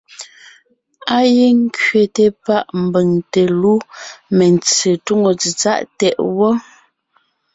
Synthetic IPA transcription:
a˦je˦ŋ˦kɥe˨te˨pa˦ʔm̩˨bə˨ŋte˨lu˦me˨nt͡se˨tu˦ŋo˨t͡si˨t͡sa̰˦ʔtɛ˨ʔwɔ˦

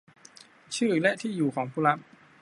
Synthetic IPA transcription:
t͡ɕʰɯː˥˩lɛ˦˥ʔt̪ʰiː˥˩juː˨˩kʰɔː˩˦ŋpʰuː˥˩ɾa˦˥p̚

